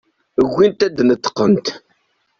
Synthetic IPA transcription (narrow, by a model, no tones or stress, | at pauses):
əɣʷːint̪æd̪nət̪ːə̥qːənt̪